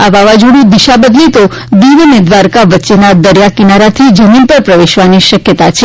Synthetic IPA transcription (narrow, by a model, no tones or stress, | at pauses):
aʋaʋad͡ʒuɽ̃ũd̪iʃabəd̪lit̪o | d̪iʋumed̪ʋaɾkaʋətːʃenad̪əɾjakinaɾat̪ʰid͡ʒəminpəɾpɾəʋeʃʋaniʃəkjət̪at͡ʃʰe